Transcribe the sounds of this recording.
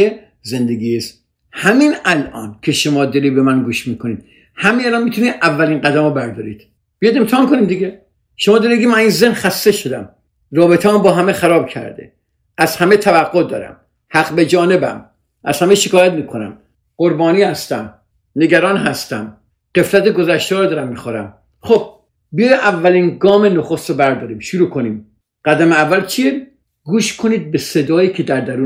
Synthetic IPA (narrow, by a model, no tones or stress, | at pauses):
e | zend̪eɡiːs | hæminælʔɒ̰ːnkʰe̞ʃomɒːd̪ɒɾiːbemænɡuːʃmiːkʰoniːd̪̥ | hæmeælɒːnmiːt̪ʰuniːd̪ʔævːæliːnɡæd̪æmobæɾd̪ɒːɾḭːd̪̥ | b̥ijɑd̪e̞mt̪ʰɛhɒːnkoniːmd̪iɡe | ʃomɒːd̪ɔɾieɡimæninzehnχæst̪e̞ʃod̪æ̰m | ɾɒːbet̪ʰemɔmbɒːɦæmexæɾɒːbcʰæ̰ɾd̪ḛ | æz̥hæmet̪ʰævæɡːod̪ɒ̰ːɾæ̰m | hæqbe̞d͡ʒɒːne̞bæ̰m | ʔæ̰z̥hæmeʃekʰɒːjæt̪miːkʰonæ̰m | ɢ̥oɾbɒːniːhæst̪æm | ne̞ɡæɾɒːnɦæst̪æm | ɢ̥e̞flæt̪eɡozæʃt̪ɒːɾɔd̪ɒːɾæmːixoɾæm | χob̚ | bijjeʔævːæliːnɡɒːmenoxost̪ɾobæɾd̪ɒːɾiːmʃuɾuːkʰo̞niːm | ɢ̥æd̪æmeævːælt͡ʃʰije | ɡuːʃkʰo̞niːd̪̚besed̪ɒːjiːcʰed̪æɾd̪æɾuː